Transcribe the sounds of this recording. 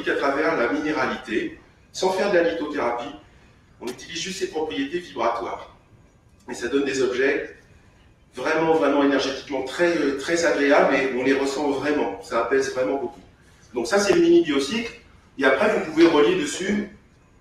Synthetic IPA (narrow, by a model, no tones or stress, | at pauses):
ikat̪χavɛʁlamineʁalit̪e | sɑ̃fɛʁd̪lanit̪ot̪eʁapi | ɔ̃nyt̪ilizʒyst̪sepχɔpχijet̪evibʁat̪wa̰ːʁ | esad̪ɔnd̪ezɔbʒɛ | vʁɛmɑ̃vʁɛmɑ̃enɛʁʒet̪i̥kmɑ̃t̪χɛøt̪χɛzaɡʁeableɔ̃leʁəsɑ̃vʁɛmɑ̃sapɛzvʁɛmɑ̃boku | d̪ɔ̃ksasɛyminibjɔsik | eapχɛvupuveʁəljed̪əsy